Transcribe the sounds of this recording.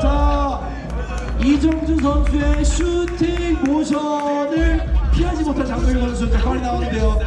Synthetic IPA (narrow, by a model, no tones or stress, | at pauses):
t͡ɕa | id͡ʑʌŋd͡ʑus̬ʰʌnd͡ʑueɕʰutʰikoɕʰʌnɯɭpʰiɦad͡ʑimotʰat͡ɕaŋmjʌɾidʌnɯnsʰutʰikʰaɾinaonɯnde̞jo